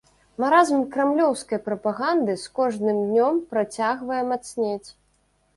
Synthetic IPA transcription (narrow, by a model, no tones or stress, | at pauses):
maɾazmkɾɛmlʲɔwskɐjpɾɐpaɣand̪ɨskɔʐnɨmd̪ʲnʲɔmpɾat͡sʲaɣvɐjɛmat̪snʲet͡sʲ